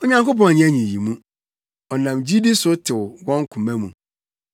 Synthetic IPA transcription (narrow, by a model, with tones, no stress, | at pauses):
o˨ɲã˦ŋko˦pɔ̃˨ɲĩ˦æ˦ɲĩ˨ji˨mũ˦ | ɔ˨nã˨md͡ʑi˦di˦sʊ˦tʰɪ˨wwɔ̃˦ŋ˦kʰʊ̃˨mæ̃˦mṵ̃˨